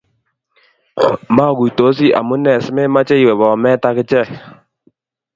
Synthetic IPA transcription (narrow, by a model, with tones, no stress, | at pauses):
ma˦˨ku˨to˨˦s̬i˦ʔa̰˨mu˦nɛ˨sɪ˦me˦ma˦t͡ʃɛ˦i˨wɛ˨βɔ˨mɛ˦ta˧kɪ˦t͡ʃɛ˦˨